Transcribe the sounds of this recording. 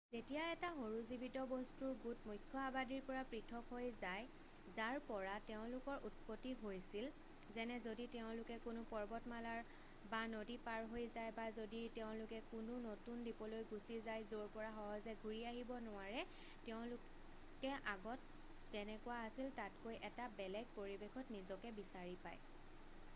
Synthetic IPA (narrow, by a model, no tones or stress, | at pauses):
zetijaɛtaxoɹuzibitɔbɔstuɹɡutmujkʰːɔabadiɹpɔɹapɹitʰɔkɦojzaj | zaɹpɔɹateʊ̃lʊkɔɹʔutpotːiɦojsil | zɛnɛzoditeʊ̃lʊkɛkʊnʊpɔɹbɔtmalaɹ | banodipaɹɦojzajbazoditɛʊ̃lʊkɛkʊnʊnotundipɔlojɡusizajzoɹpɔɹaxɔɦɔzɛɡʱuɹiaɦibɔnʊwaɹɛ | tɛʊ̃lʊk | kɛʔaɡɔt | z̥ɛnɛkʊwaasiltatkojʔɛtabɛlɛɡ̚poɹibexʰɔtnizɔkɛbisaɹipa̰j